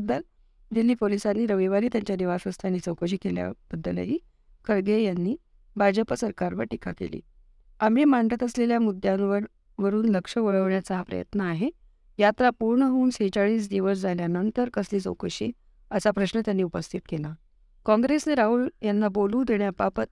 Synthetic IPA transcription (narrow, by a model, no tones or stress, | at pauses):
əd̪ːəl | d̪anːiːpolisanːiːɾəʋiʋaniːt̪jaɲt͡ɕjad̪iʋasʋəst̪ʰanːiːt͡səwkəɕ̬iːkelja̰b̥əd̪ːələ̰ɦiː | kʰəɾɡejanːiː | bʱad͡zəpəsəɾkaɾʋəɾʈika̰kḛlḭː | amimaɳʈət̪əsleljamud̪ʱjãnʋəɾ | ʋəɾuːnləkʂəʋəɭəʋɳjat͡sapɾə̰jə̰t̪nəːɦe | jat̪ɾapuɾɳəɦuːnset͡ɕaɭiːs̬d̪iʋəsd͡zaljanənt̪əɾkəsliːt͡sə̰wkəɕiː | əsapɾəɕnət̪janːiːupəst̪ʰit̪̚kela | kɔ̃ŋɡɾesneɾaɦuːɭjanːabolũːd̪eɳjapapət̪̚